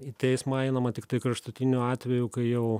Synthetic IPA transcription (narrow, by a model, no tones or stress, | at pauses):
it̪ʲɛɪsmɐɐɪnɐmɐt̪ʲɪkt̪ɐɪkɾɐʃt̪ʊt̪ʲɪnʲuɑːt̪ʲʋʲɛjukɐɪjɛʊ